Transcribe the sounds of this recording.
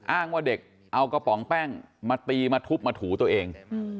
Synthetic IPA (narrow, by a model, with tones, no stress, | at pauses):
ʔaː˥˩ŋwaː˥˩de˨˩k̚ | ʔa˧wkɔ˧pɔ˩˦ŋpɛː˥˩ŋmaː˧t̪iː˧maː˧t̪ʰu˦˥p̚maː˧t̪ʰuː˩˦t̪u˧ɐʔeː˧ŋ